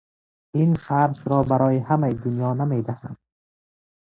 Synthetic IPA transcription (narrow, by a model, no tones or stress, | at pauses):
infaɾsɾɔbaɾɔːjihamajid̪unjɒːnamed̪ahand̪